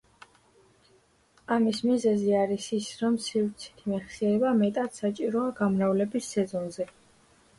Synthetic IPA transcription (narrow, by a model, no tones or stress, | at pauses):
amismizɛziaɾisisɾɔmsivɾt̪sʰɛ̥t̪ʰimɛχsiɛɾɛbamɛt̪ʼat̪sat͡ʃʼiɾɔaɡamɾavlɛbisːɛzɔnzɛ